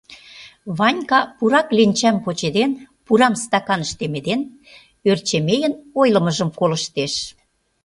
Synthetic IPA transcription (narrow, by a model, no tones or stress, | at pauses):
βɑnʲkɑpuɾɑklinʲt͡ɕæmpot͡ɕed̪en | puɾɑmst̪ɑkɑnəʃt̪emed̪en | ørt͡ɕemejə̆nojlə̆mə̆ʒəmkolə̆ʃt̪eʃ